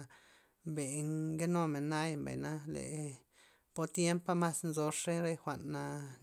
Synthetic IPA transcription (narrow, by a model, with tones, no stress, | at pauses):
mbe˨ɡe˦no˧me˨nːa˦jmba̰˨jna˦lḛ˨ | po˧t̪je˦mpa˦ma˦snzo˧ʂe˦ɾe˦jxʷa˨ʔnːa˧